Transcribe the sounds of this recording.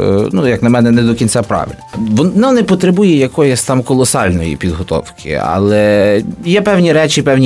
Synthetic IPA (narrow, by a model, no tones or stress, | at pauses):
nujɐknɐmɛnɛnɛd̪ɔkʲint͡sʲapɾɑ̰ʋɪ̰lʲʋɔnnɑnɛpɔt̪ɾebujɛjɐkɔjɔsʲt̪ɑmkɔlˠɔsɑlʲnɔ̰jḭpʲid̪ɦɔt̪ɔ̰wkʰɪ̰ɐ̰lˠɛjɛpɛwnʲiɾɛt͡ʃɪpɛwnʲi